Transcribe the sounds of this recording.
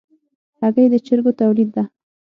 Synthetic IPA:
aɣəjd̪ət͡ʃɪɾɡot̪awlid̪ːa

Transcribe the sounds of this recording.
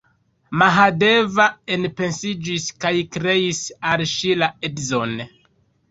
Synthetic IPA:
maɦade̞vaenpe̞nsid͡ʒiskajkɾe̞isalʃilaedzon

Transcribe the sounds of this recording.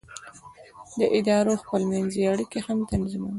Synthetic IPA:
d̪əʔɪd̪ɑɾoxpəlmanzeaɽikehamt̪anziman

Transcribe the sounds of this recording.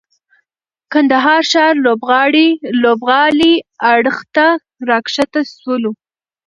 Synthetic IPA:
kand̪aɦɑɾʃɑɾlobɣɑɽilobɣɑliaɽəxt̪a | ɾɑkʂat̪ast̪ulu

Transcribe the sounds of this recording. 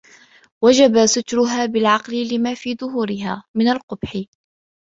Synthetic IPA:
wad͡ʒabasʊt̪ɾʊɦaːbɪlʕɑqlɪlɪmaːfiːðʊɦuːɾɪɦaːmɪnalqʊbħɪ

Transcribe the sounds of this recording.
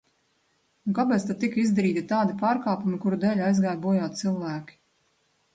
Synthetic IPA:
uŋkapɛːt̪st̪ad̪̚t̪ikizd̪aɾiːt̪it̪aːd̪ipaːɾkaːpumikuɾud̪ɛːlʲajzɡajbuɔjaːt̪t̪silˠvæːkʲi̥

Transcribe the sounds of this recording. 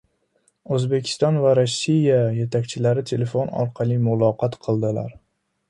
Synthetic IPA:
ɵzbe̞kʲʰɪ̥st̪ɒnvaɾosːijaje̞t̪ʰakʲt͡ʃʰɪlaɾɪt̪ʰe̞le̞fonɒ̰ɾqʰɑlˠimʊlˠɒqʰɒt̪qʰɨlˠd̪ɪla̰ɾ

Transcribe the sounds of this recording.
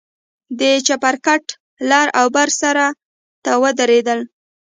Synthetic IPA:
d̪ət͡ʃapaɾkaʈ | lɑɾawbaɾsaɾa | t̪awəd̪aɾed̪əl

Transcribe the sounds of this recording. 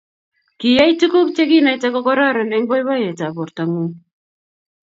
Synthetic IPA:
kiajt͡sukukt͡ʃekinajt͡sekokoɾaɾeneŋbojβajet͡saβoɾt̪aŋu

